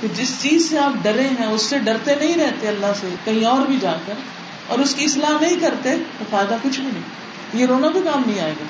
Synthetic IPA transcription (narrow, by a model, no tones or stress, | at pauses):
k̪ed͡ʒɪst͡ʃiːzseaːp̚ɖɐɾẽɦɛ̃ʊsːeɖɐɾt̪enɐɦĩɾɛɦt̪eɐlːaɦsekɐɦĩɔːɾbʱid͡ʒaːkɐɾ | ɔ̰ːɾʊskiɪslaːɦnɐɦĩkɐɾt̪et̪ofaːjɪd̪akʊt͡ʃʰbʱinɐ̃ɦĩ | jeɾoːnabʱikaːmnɐɦĩaːeːɡaː